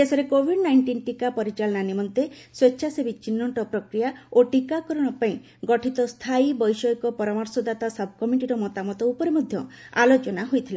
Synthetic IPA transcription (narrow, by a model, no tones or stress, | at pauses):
esɔɾekobʱiɖnajɳʈinʈikapɔɾit͡ʃalɔnanimɔnt̪eswetːʃʰasebit͡ʃinːɔɳʈɔpɾɔkɾijaoʈikakɔɾɔɽ̃ɔpaĩ | ɡɔʈʰit̪ɔst̪ʰaibɔjsɔjkɔpɔɾɔmɔɾsɔd̪at̪asɐbʱkɔmiʈiɾɔmɔt̪amɔt̪ɔupɔɾemɔd̪ʱjɔa̰lot͡ʃɔnaɦojt̪ʰile